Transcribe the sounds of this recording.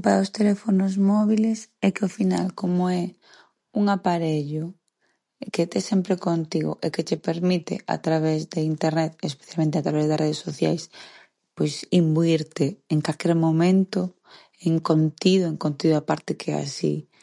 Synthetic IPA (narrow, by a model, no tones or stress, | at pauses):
paɾost̪elefonozmɔβ̞ilesɛkeofina̰lkomoɛ | uŋapaɾeʎʊ | ket̪ɛsɛmpɾekont̪iɣo̰ʔeket͡ʃepeɾmit̪ḛʔa̰t̪ɾaβezd̪eint̪eɾnɛt̪espe̥θjalmẽnt̪eat̪ɾaβɛzðasreð̞esoθja̰js | pojsimbuiɾt̪eeŋkalkɛɾmomẽnt̪o | eŋkont̪iðʊeŋkont̪iðʊapaɾt̪ekʰɛa̰sḭ